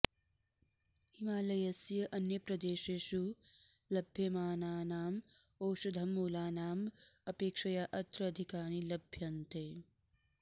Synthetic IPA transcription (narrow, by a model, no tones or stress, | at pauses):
himaːlɐjɐsjɐʔɐnjɐpɾɐd̪eːʃeːʃu | lɐbʱjɐmaːnaːnaːm | oːʃud̪ʱɐmːuːlaːnaːmɐpeːkʂɐjaʔɐt̪ɾɐːd̪ʱikaːnilɐbʱjɐnt̪eː